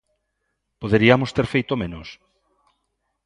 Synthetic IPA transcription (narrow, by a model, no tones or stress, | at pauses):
poðeɾiamost̪eɾfejt̪omẽnos